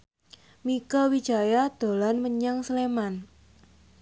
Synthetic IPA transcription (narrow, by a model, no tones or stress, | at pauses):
mikawi̥d͡ʒa̤jad̪̥o̤lanməɲaŋsəleman